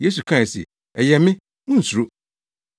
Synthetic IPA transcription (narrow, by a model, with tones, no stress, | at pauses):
je˦s̬u˨kʰã˦˨sɛ̰˨ | ɛ˨jɛ˨mɪ̃˦ | nũ˦˨su˨ɾo˦